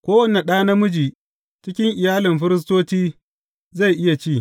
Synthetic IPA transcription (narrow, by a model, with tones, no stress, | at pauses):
kʷoː˦wɐ˨ne˨ɗaː˦na˦mʊ˦d͡ʒiː˨ | t͡ʃɪ˦kʲɪ˦ŋʔɪ˨jaː˦lɪ˨mɸɪ˦ɾɪ˦s̬toː˦tiː˦ | za˦˨jʔɪ˦ja˨t͡ʃiː˦˨